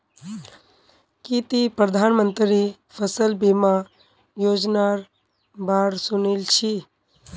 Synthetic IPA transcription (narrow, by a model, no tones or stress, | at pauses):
kit̪ipɾəd̪ʱaːnmənt̪ɾi | pʰəsəlbima | joːd͡ʒnaɾ | baːɾsʊnilt͡ʃʰi